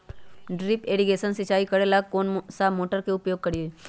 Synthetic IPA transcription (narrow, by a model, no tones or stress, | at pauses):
ɖɾɪpeːɽiɡeːʃənsɪt͡ʃaːikɐɽelakoːnsaːmoːʈəɾkeʊpjoːɡ̚kɐɽieː